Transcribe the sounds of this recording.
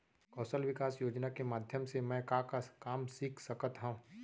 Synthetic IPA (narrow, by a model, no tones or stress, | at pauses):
kɔːsəlʋɪkaːsjoːd͡ʒnakemaːd̪ʱjəmsemɛ̃ːkakakaːmsiːkʰsəkət̪ɦõː